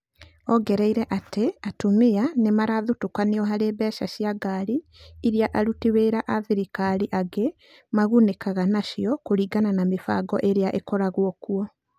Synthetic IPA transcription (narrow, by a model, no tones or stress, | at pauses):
ɔɡɛɾɛiɾɛʔateatumianemaɾaðutukaneɔɦaɾeːbɛːʃaʃjaɡaɾiː | ɾjaʔaɾutiweːɾaʔaðiɾikaɾiʔaɡe | maɣunekaɣanaʃjɔkoɾiːɡananamefa̰ːɡɔʔeɾeaʔekɔɾaɣwɔkuɔ